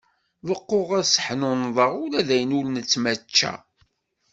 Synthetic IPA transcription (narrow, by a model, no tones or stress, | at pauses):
vəqːoʁæsə̥ħnonðˤəʁʊlæðæjənulnət͡sːmæt͡ʃːæ̰